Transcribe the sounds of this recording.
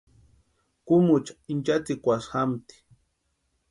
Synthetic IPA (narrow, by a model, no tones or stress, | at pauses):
kʊmʊt͡ʃḁint͡ʃat͡sikʷasxamt̪i̥